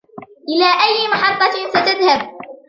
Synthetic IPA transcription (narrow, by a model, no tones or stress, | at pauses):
ʔɪlaːʔajːɪmɑħɑt̪ˤːɑsat̪aðhab̚